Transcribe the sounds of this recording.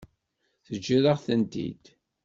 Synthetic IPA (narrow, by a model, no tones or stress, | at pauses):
θəd͡ʒːiɾəʁθənt̪ḭd̪̥